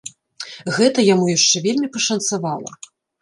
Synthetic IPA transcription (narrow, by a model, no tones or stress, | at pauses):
ɣɛt̪ɐjamujaʂt͡ʂɛvʲelʲmʲipɐʂɐnt̪savalˠɐ̰